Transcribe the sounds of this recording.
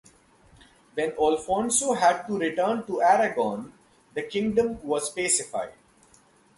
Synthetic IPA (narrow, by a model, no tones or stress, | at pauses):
ʋɛ̃nɔːlfɔ̃ːnsoːɦæɖ̚ʈuɾɪʈəːɳʈuæɾəɡɔ̃ːn | d̪əkɪ̃ŋɡɖə̃mʋɔːzpeːsɪfa̰ɪɖ